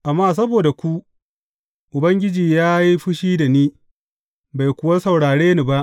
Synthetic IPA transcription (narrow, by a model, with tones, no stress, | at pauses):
ʔa˨mːaː˦s̬ɐ˦boː˨da˨kʷu˦ | ʔʊ˨bɐ˦ŋɡʲɪ˦d͡ʒiː˨jaː˦ji˦ɸʊ˦ʃiː˦da˨niː˦ | ba˨jkʷʊ˨wa˦sɐ˨wɽaː˨ɽeː˦ni˦ba˦ʔ